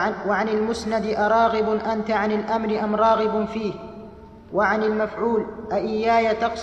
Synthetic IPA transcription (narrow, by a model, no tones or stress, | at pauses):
wʕanalmʊsnad̪ɪʔɑɾˤɑːɣɪbʔant̪aʕanɪlʔamɾɪʔamɾˤɑːɣɪbfiːh | waʕanɪlmafʕuːlʔaʔɪjːaːjat̪ɑqs